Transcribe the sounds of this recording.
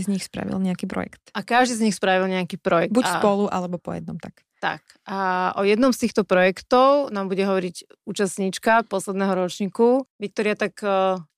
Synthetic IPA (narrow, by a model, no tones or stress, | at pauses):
izɲixspɾa̰ʋḭlˠɲɛakiːpɾɔ̰jɛ̰kt̪ʔakaʒd̪iːzɲixspɾaʋilɲɛakiːpɾɔjɛkbuaspɔluʔalɛbɔpɔ̰jɛ̰d̪̚nɔ̰mt̪ak | t̪a̰k | ʔaʔɔjɛd̪nɔmst̪iːxt̪ɔpɾɔjɛkt̪ɔʊnaːmbuɟɛɦɔʋɔɾiɟ | uːt͡ʃasɲiːt͡ʃkapɔslɛd̪nɛɦɔɾɔt͡ʃɲiːkuʋik̚t̪ɔɾɪat̪akː